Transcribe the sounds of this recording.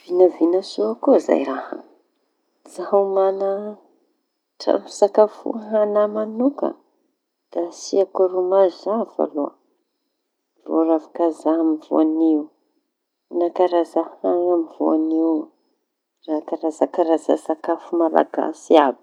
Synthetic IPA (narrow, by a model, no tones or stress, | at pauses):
v̥inavinəsuakuza̰jɾaha̰ | z̥aɦumana | ʈ͡ʂa̰misakafṵɦanamanukə̰ | d̥asiakaɾumazzafa̰luə | vo̰ravakazaɦmivṵaniu | nakaɾazahaŋamivṵaniw | rakaɾazakaɾaza̰sakafumala̰ɡa̰siabi̥